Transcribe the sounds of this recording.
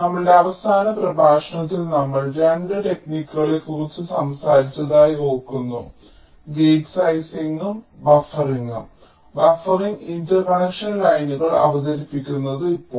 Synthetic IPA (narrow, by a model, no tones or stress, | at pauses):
nɐmːɐɭeɐʋɐsaːnɐprɐbʱaːʂɐɳɐt̪ːilnɐmːɐɭd͡ʑɐɳɖɐʈe̞kniːkʲːuɣɐɭekːurit͡ɕːɨsɐmsaːɾit͡ɕːɐðaːjio̞ːkːunːṵ | ɡeːɡsɐjsiŋɡumbɐfɐriŋɡum | bɐfɐriŋɡintɐrkɐɳɐkʂɐnlɐjnuɣɐɭɐ̰ʋɐsɐɾipːikʲːunːɐðɨipːoː